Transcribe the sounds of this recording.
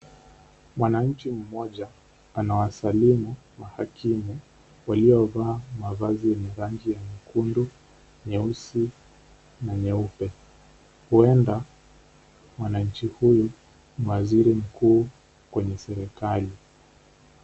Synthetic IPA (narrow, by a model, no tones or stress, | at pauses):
mwanaɲ̩t͡ʃim̩mɔʄa | anawasalimu | mahakʰimu | waliɔvaːmavazijɛɲɛɾaŋɡijamikundu | ɲɛusi | naɲɛupɛ | huɛnda | mwanaɲ̩t͡ʃihuju | m̩waziɾim̩kuː | kwɛɲɛsɛɾɛkali